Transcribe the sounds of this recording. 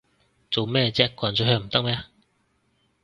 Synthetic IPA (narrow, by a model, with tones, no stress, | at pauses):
t͡so˨wmɛː˥˧t͡sɛː˥kwʷaː˨˩nt͡sɔ˨˧ɦœː˧m̩˨˩t̪ɐ˥k̚mɛː˥˧